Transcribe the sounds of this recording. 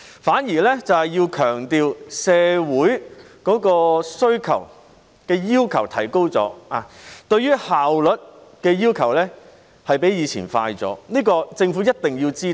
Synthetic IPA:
faː˨˥njiː˨˩lɛː˥t͡sɐ˨whɐ˨jiː˧wkʰœː˨˩ŋt̪iː˨˧wsɛː˧wuː˨˥j | kɔː˨˥kɔː˧sɵ˥ɥkʰɐ˨˩w | kɛː˧jiː˥wkʰɐ˨˩wt̪ʰɐ̰˨˩jko˥wt͡sɔ̰ː˨˥aː˨˧t̪ɵ˧ɥjyː˥haː˨wlɵ˨˥t̚kɛː˧jiː˥wkʰɐ˨˩wlɛː˥ | hɐ˨jpe˨˥jiː˨˧t͡sʰiː˨˩nfa̰ː˧jt͡sɔ̰ː˨˥niː˥kɔː˧t͡sɪ˧ŋfuː˨˥jɐ˥t̚t̪ɪ˨ŋjiː˧wt͡siː˥

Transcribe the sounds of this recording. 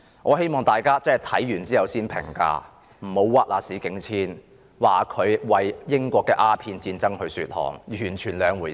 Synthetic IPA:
ŋɔː˨˧he˥jmɔː˨˩ŋt̪aː˨jkaː˥t͡sɛː˥˨˩t̪ʰɐ˨˥jjyː˨˩nt͡siː˥jɐ˨wsiː˥npʰɪ̰˨˩ŋka̰ː˧ | m̩˨˩ho˨˥wwaː˧t̚laː˨˩siː˨˥kɪ˨˧˥ŋt͡sʰiː˥n | waː˨kʰɵ˨˧ɥwɐ˨jjɪ˥ŋkʷɔː˧kːɛː˧ʔaː˥pʰiː˧nt͡siː˧nt͡sɐ˥ŋhɵ˧ɥsy̰ː˧t̚hɔ̰ː˨˩ŋjyː˨˩nt͡ʃʰyː˨˩nlœː˨˧ŋwuː˨˩

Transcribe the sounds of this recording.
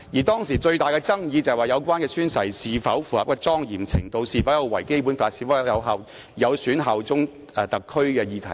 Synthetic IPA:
jiː˨˩t̪ɔː˥ŋsiː˨˩t͡ʃɵ˧ɥt̪aː˨jkɛː˧t͡sɐ˥ŋjiː˨˧t͡sɐ˨jwaː˨˩jɐ˨˧wkʷaː˥nkɛː˧syː˥nsɐ̰˨˩jsiː˨fɐ˨˥wfuː˨hɐ̰˨p̚kɛː˧t͡sɔː˥ŋjiː˨˩mt͡sʰɪ̰˨˩ŋt̪o˧wsiː˨˧fɐ˨˥wjɐ˨˧wɐ˨˩jke˥jpu˨˥nfaː˧tsiː˨˩fɐ˨˥jjɐ˨˧wɦɐ˨w | jɐ˨˧wsyː˨˥nɦɐ˨wt͡sʊ˥ŋ | ɛː˨˧t̪ɐ˨kʰːɵ˥ɥkɛː˧jiː˨˧t̪ʰɐ˨˩

